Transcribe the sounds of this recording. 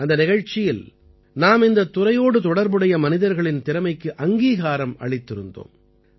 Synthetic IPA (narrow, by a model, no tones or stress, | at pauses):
ɐnd̪ɐnɪɣɐɻt͡ʃːɪjɪl | naːmɪnd̪ɐt̪ːʊɾɐjoːɽɯt̪ɔɽɐɾbɯɽɐjɐmɐnɪðɐɾɣɐɭɪnt̪ɪɾɐmɐɪkːɯʔɐŋɡiːɣaːɾɐmɐ̰ɭɪt̪ːɪɾɯ̰nd̪o̰ːm